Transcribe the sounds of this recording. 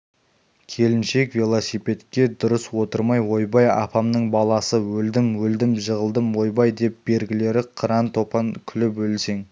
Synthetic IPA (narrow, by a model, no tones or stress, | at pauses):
kʲʰe̞lɪnʃe̞kvʲelˠosijpe̞t̪kʲe̞d̪ʊɾəswo̞t̪əɾmɑjwo̞jbɑjɑ̰pɑmnəɴbɑlˠɑsəwɵld̪ɪmwɵld̪ɪmʒəʁəlˠd̪əmwo̞jbɑjd̪e̞p̚b̥e̞ɾɡʲɪle̞ɾɪqʰəɾɑnt̪ʰo̞pɑŋkʲʰʏlɪpwɵlse̞ŋ